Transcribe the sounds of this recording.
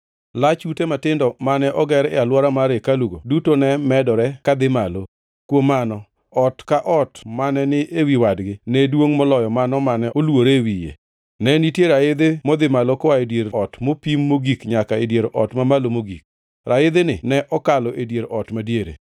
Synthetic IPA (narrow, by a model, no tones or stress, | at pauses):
lat͡ʃutematɪndɔmanɛʔɔɡɛɾɪ̰alwɔɾamaɾekaluɡodutonɛmɛdɔɾɛkad̪ɪmalo | kwomanɔ | ɔtkaʔɔtmanɛnɪʔewiwadɡɪnɛdwoŋmɔlɔjɔmanɔmanɛolwoɾewijḛ | nɛnitjeɾaɪd̪emɔd̪ɪmalokɔwaedjeɾɔtmopimːoɡikɲakaedjeɾʔɔtmamalomoɡik̚ | ɾʔaɪd̪ɪnɪnɛʔɔkalɔʔedjeɾɔtmadjeɾḛ